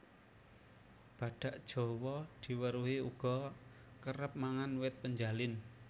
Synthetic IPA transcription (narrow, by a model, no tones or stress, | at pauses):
b̥ä̤ɖ̥a̤ʔd̥ʒ̥ɔ̤wɔd̪̥i̤wəɾuɦiuɡ̥ɔ̤ | kəɾəp̚maŋanwɪt̪̚pəɲd͡ʒalɪn